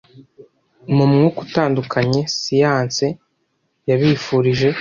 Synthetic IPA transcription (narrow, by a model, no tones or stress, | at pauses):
mumŋuku̥taːndukʰaɲe̞sijaːnse | jaβiːfuɾiʒe̞